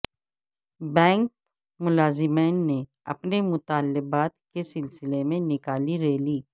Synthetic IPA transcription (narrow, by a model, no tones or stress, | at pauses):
bɛ̃ːŋk̚ | mʊlaːzɪmeːnːe | ɐ̰pnemʊt̪aːlːɪbaːt̪̚kesɪlsɪlemẽnɪkaːliɾeːliː